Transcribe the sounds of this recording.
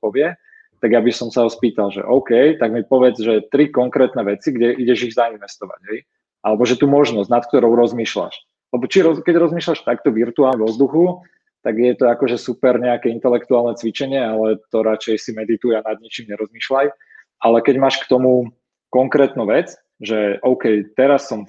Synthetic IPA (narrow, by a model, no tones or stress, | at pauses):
pɔʋɪɛ | t̪aɡjabisɔmsaɦɔspiːt̪alʒɛ̰ʔɔʊkɛjt̪aɡmipɔʋɛd͡zʒɛt̪ɾikɔŋkɾɛːt̪nɛʋɛt͡siɡɟɛʔiɟɛʒiɣzainʋɛst̪ɔʋa̰ɟ̥ɦɛj | ʔalɛbɔʒɛt̪uːmɔʒnɔzɟnat̪k̚t̪ɔɾɔʊɾɔzmiːʃla̰ʃ | lɛbɔt͡ʃiɾɔkɛɟɾɔzmiːʃlaʃt̪akt̪ɔʋiɾt̪uaːlɛʋɔzd̪uxu | t̪aɡjɛt̪ɔakɔʒɛsupɛɾɲɛakɛint̪ɛlɛkt̪uaːlnɛt͡sʋit͡ʃɛɲɪɛalɛt̪ɔɾat͡ʃɛjsimɛd̪it̪ujanad̪̚ɲɛt͡ʃiːmɲɛɾɔzmiːʃlaj | ʔalɛkɛɟmaːʃkt̪ɔmu | kɔŋkɾɛːt̪nuːʋɛt͡s | ʒɛʔɔʊkɛjt̪ɛɾasːɔm